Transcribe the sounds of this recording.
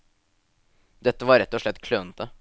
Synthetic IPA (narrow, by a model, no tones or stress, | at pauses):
d̪ɛt̪ːəʋɑɾɛt̪ːɔʂɭɛt̪ːkʰløːnt̪ə